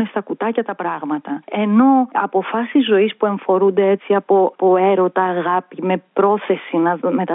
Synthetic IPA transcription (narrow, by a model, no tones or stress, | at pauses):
nest̪ɐkut̪ɐcɐt̪ɐpɾɐɣmɐt̪ɐe̞no̞ɐ̰po̞fɐsizːo̞ispue̞ɱfo̞ɾund̪e̞et͡siɐpo̞po̞e̞ɾo̞t̪ɐːɣɐpime̞pɾo̞θe̞sinɐme̞t̪ɐ